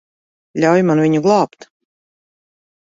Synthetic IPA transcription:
ʎʲawjmanvʲiɲuɡlˠɑːpt̪

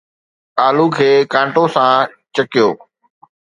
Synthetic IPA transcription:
aːlukʰeːkãːɳʈosã | t͡ɕɐkijoː

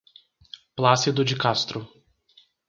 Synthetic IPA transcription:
plasɪd̪ʊd͡ʒɪkast̪ɾʊ

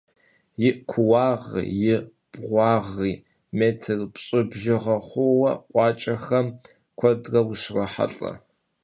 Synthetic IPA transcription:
jɪʔkʷʰʊwɑːʁḭːjɪ | b̥ʁʷɑːʁiː | meːtʰɨrpɕʼɨbʒɪʁɐχʷʊwɐqʷʼɑːt͡ʃʼɐxɐm | kʷʰɐdrɐwʃrɐħa̰ɬʼɐ̰

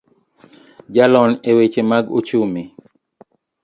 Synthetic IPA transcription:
d͡ʒalɔnewet͡ʃemaɡo̰t͡ʃumi

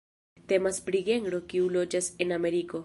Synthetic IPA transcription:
t̪e̞maspɾiɡe̞ŋɡɾo̞kiulo̞d͡ʒase̞name̞ɾiko̞

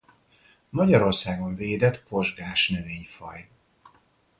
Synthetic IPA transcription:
mɒɟɒɾo̞rsaːɡoɱveːd̪ɛt̪po̞ʒɡaːʃnɛveːɲfɒ̰j

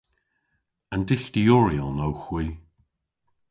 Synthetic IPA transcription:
andɪxd̪̥iɔɹiəlˠnowxw̥iː

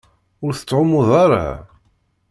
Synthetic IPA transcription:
ʊɾθə̥t͡sːʕʊmʊðˤaɾa̰

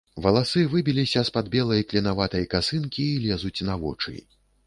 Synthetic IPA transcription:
vɐlˠasɨvɨbʲilʲisʲɐspad̪̚bʲɛlˠɐjklʲinavat̪ɐjɐkasɨnkʲiːlʲɛzut͡sʲnavɔ̰t͡ʂɨ̰

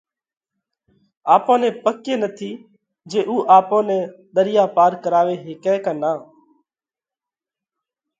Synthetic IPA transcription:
aːpõːnẽːpəkeːnət̪ʰiː | d͡ʒeːʔuːʔaːpõːnẽːɗ̪əɾɪjaːpaːɾkəɾaːʋeːɦeːkɛ̃ːkãːnaː

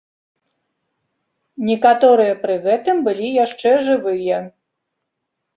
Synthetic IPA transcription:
nʲɛkat̪ɔɾɨjɐpɾɨɣɛt̪ɨmbɨlʲijaʂt͡ʂɛʐɨvɨjɐ

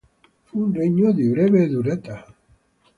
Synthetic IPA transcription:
funreɲoðiβɾeβeðuɾet̪a

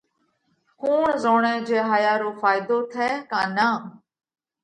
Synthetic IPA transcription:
kuːɳzoːɳẽːd͡ʒeːɦaːjaːɾoːfʰaːjɪd̪oːt̪ʰɛːkãːnãː

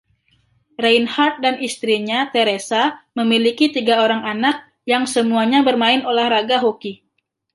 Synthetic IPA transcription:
rajnhart̪̚danist̪ɾiɲat̪eɾesaməmilikit̪iɡaoɾaŋanak̚ | jaŋsəmuaɲabərmaɪnolahɾaɡaɦoki

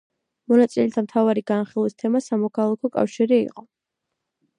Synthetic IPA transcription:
mɔnat̪sʼilɛt̪ʰamt̪ʰavaɾiɡanχilˠwist̪ʰɛmasamɔkʰalˠakʰɔkʼa̰fʃiɾiḭqʼɔ

